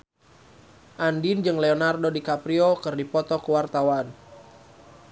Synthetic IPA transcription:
ʔandind͡ʒɨŋleonardodikapɾiokɨrdipɔt̪ɔkuwart̪awan

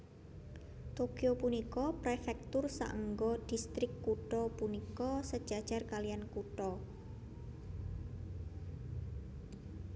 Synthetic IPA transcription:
t̪okijopunikɔpɾefɛk̚t̪ʊrsa̰ʔəŋɡɔɖ̪̥i̤st̪ɾɪkːuʈɔpunikɔsəd̥ʒ̥ad̥ʒ̥a̤rkalijankuʈɔ

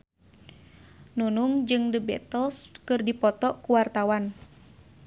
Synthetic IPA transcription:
nunuŋd͡ʒɨŋdəbɛ̰t̪əlskɨrdipɔt̪ɔʔkuwart̪awan

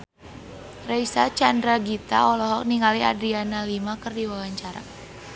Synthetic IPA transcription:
raisat͡ʃandɾaɡit̪a̰ɔlɔɦɔk̚niŋaliadɾianalimakərdiwawaɲt͡ʃaɾa̰

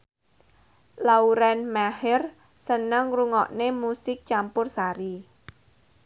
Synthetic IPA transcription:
lauɾɛnmahɪr | sənəŋruŋɔʔnemusɪk̚t͡ʃampʊrsaɾi

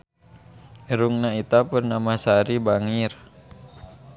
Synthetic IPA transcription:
ɾuŋnait̪apurnamasaɾibaŋir

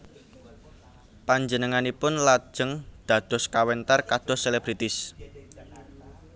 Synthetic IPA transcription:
paɲd͡ʒənəŋanipʊnlḁʒ̥ə̤ŋd̪̥ä̤d̪̥ɔ̤skawɛnt̪arkad̪̥ɔ̤seleb̥ɾit̪ɪs

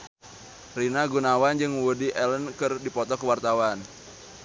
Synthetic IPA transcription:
rinaɡunawand͡ʒɨŋwudiʔɛlənkɨrdipɔt̪ɔkəwart̪awan

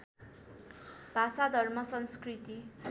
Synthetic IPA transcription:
bʱasad̪ʱʌrmʌsʌnskrit̪i

